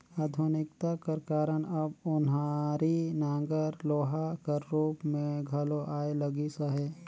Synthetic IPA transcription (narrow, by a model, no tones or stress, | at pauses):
aːd̪ʱʊnɪkt̪akəɾkaːɾənɐbʊnɦaɾinãːŋɡəɾloːɦakəɾːuːpmẽɡʱəloʔaːelɐɡisəɦɛː